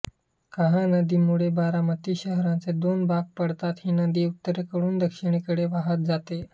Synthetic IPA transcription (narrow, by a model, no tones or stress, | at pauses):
kəɦãnəd̪iːmuɭebaɾamət̪iːɕəɦɾãt͡sed̪onbak̚pəɽt̪at̪hiːnəd̪iːut̪ːəɾekəɽuːnd̪əkɕiɳ̃ikəɽeʋaɦət̪̚d͡zat̪e